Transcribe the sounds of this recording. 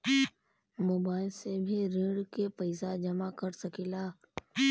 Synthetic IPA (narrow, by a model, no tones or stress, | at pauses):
moːbaːɪlsebʱiɾɪ̃ːɽkepəɪsad͡ʒɐmakəɾsɐkilaː